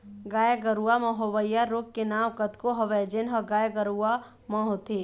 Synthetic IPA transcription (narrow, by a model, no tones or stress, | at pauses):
ɡaːjəɡəɾuamɔ̃ɦoʋəjaɾokːenaːʋkət̪koɦɐʋɛd͡ʒenɦəɡaːjɡəɾua | mɔ̃ɦot̪ʰe